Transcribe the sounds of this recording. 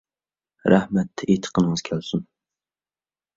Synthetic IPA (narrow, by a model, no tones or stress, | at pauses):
ɾæhmɛt̪ʰːɛʔet̪ʰə̥qʰənəŋɨz̥kʲʰælsun